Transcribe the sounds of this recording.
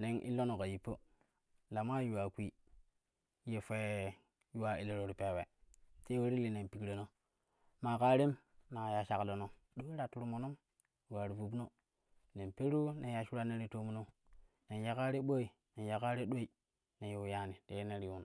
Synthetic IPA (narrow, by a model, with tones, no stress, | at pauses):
ne˨ŋʔḭ˦lo˦no˨ka˨ji˨pːo̰˦ | la˨ma˦ju˨wa˨kʷi˦ | je˨fe˦ | ju˦wa˨i˨le˨ɾo˨ɾpe˨we˨te˦we˦ɾi˦li˨ne˨mpi˨kɾe˨no˦ | ma˨ka˦ɾe˦m | na˨ja˨ʃa˨klo˨no˨ | ɗo˦ɾa˨tu˦ɾu˦mo˨no˦m | ju˨wa˨ɾi˨vu˨bno˦ | ne˨mpe˦ɾu˦ne˨ja˨ʃu˦ɾa˦ne˦ɾi˦to˦mu˦no˦ | ne˨nja˨ka˦ɾe˦ɓo˦i˨ | ne˨n˨ja˨ka˦ɾe˦ɗo˦i˨ | ne˨jo˨ja˦ni˨te˨˦ne˦ɾi˨wu˦n˨